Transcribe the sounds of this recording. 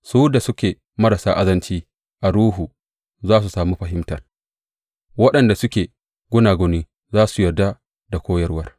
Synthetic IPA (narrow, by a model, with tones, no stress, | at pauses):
suː˦da˨sʊ˦kʲeː˨ | mɐ˦ɾɐ˨saː˦ʔa˦zɐ˦nt͡ʃiː˦ | ʔa˨ɾuː˦ɦu˨ | zaː˦s̬u˨saː˨miː˦ɸɐ˨ɦɪ˦mtɐ˨r | wɐ˦ɗɐ˨nda˨sʊ˦kʲeː˨ | ɡʷʊ˦naː˨ɡɔ˨niː˦ | zaː˦su˨jɐ˨dːa˦ | da˨kʷʰoː˦jɐ˦rwɐ˦r